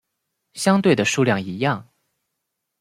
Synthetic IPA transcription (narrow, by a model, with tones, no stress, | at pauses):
ɕjɑ˥ŋt̪we˥˩ɪd̪ə˩ʂu˥˧ljɑ˥˩ŋi˧˥jɑ˥˩ŋ